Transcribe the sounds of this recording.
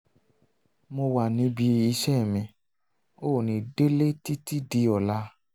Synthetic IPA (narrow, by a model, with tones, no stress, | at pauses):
mo˧wa˨nĩ˨˧˦bi˧i˧ʃɛ˦˨mĩ˧ | o˦˨nĩ˧de˦le˦ti˦ti˦di˧ɔ˨la˧˦